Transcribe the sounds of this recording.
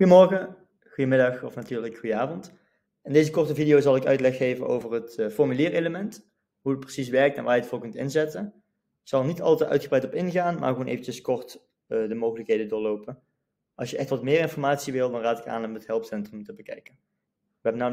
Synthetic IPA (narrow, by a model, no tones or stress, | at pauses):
xujəmɔɹɣə | χujəmɪdɑxɔfnatyːɹləkxujəaːvɔnt | ɛndejzəkɔɹtəvidijowzɑlˠɪkœ̰ɥtlɛxːejvəno̰wvərɦətfɔɹmyliːrejləmɛnt | ɦuət̚prə̥sis̬ʋɛɹk̚tɛ̰nʋaːjətvoːkɵntɪ̰nzɛtən | z̥ɑlˠnitɑ̰lˠtɛʔœ̰ɥtχəbrɛjtɔpɪnɣaːnma̰ːɹχʋonʔḛjvənt͡ʃəskɔɹt | dəmowɣələkɦejdəndʊːɹlowpən | ʔɑ̰lsʃjəʔɛxtʋɑtmɪːɾɪnfɔrɹmaːtsiʋɪlˠdɑnraːtɪka̰ːnɔmətɦɛlˠpsɛntrəmtəbəkɛ̰jkən | ʋəɦɛbəna